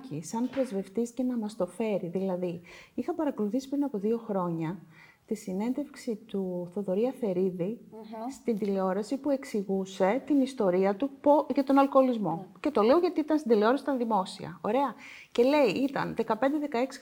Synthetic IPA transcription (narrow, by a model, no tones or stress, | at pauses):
cisɐnpɾe̞zve̞ft̪isce̞nɐmɐst̪o̞fe̞ɾiðilɐðiixɐpɐɾɐko̞luθisi̥pɾinɐpo̞ðio̞xɾo̞ɲɐ | t̪isine̞nd̪e̞fksit̪uθo̞ðo̞ɾiɐfe̞ɾiðist̪ind̪ileo̞ɾɐsipue̞ksiɣuse̞t̪inist̪o̞ɾiɐt̪upoʝɐt̪o̞nɐlko̞ːlizmo̞ce̞t̪o̞le̞oʝɐt̪iit̪ɐnst̪ind̪eleo̞ɾɐsit̪ɐnðimo̞sḭɐ̰o̞̰ɾe̞ɐce̞le̞iit̪ɐ̰nðe̞kɐpe̞nd̪eðe̞kɐeksi̥